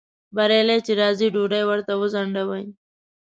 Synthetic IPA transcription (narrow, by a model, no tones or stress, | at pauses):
baɾelet͡ʃeɾɑːziɖuɖajwəɾt̪awəzaɳɖawaj